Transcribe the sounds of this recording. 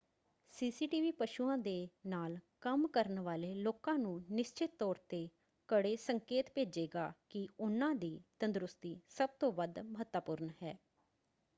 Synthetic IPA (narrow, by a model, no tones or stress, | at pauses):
siːsiːʈiːʋiːpəʃuːãːd̪eːnaːlkəmkəɾənʋaːleːloːkãːnũːnɪʃt͡ʃɪt̪ːɔːɾt̪eː | kəɽeːsəŋkeːt̪peːd͡ʒeːɡaːkɪʊnãːd̪iːt̪ənd̪ɾʊst̪iːsəb̚t̪õːʋəd̪məɦət̪ːəpʊɾnɦɛː